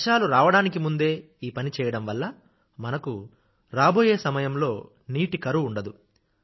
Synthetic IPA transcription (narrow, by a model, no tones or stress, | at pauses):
ʃaːluɾaːʋɐɽaːnikimund̪e̞ː | iːpɐnit͡ʃɛːjɐɽɐmʋɐlːɐ | mɐnɐku | ɾaːbo̞ːje̞ːsɐmɐjɐmlo̞ː | niːʈikɐɾuːɳɖɐd̪u